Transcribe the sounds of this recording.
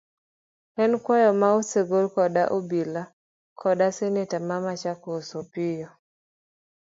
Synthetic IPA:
ɛnkwajɔmaoseɡolkɔdaʔobila | kʰɔdasenetamamat͡ʃakɔsopɪjɔ

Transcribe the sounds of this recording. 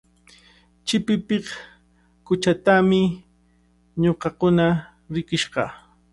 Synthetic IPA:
t͡ʃɪpɪpɪχ | kʊt͡ʃat̪amɪ | ɲoqɑkʊna | ɾɪkɪʃɢɑ̰

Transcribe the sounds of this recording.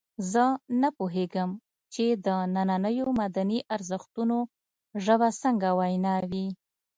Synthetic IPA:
zənapoɦeɡəm | t͡ʃed̪ənananəjomad̪aniʔaɾzəxt̪uno | ʒəβasəŋɡawajnɑwi

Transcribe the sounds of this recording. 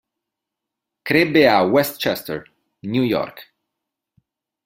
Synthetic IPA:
kɾebeawɛst̪t͡ʃɛst̪ɛ̰ɹ | njujɔ̰ɾk

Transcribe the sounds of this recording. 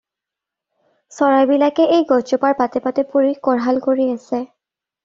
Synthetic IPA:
sɔɹajbilakɛʔejɡɔd͡ʒɔpaɹpatɛpatɛpuɹikɔɹɦalkoɹiasɛ

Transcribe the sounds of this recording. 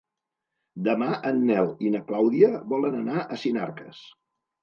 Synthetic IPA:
d̪əmaʔənːɛlˠinəklawðiəβɔlənənaʔəsina̰ɾkə̰s

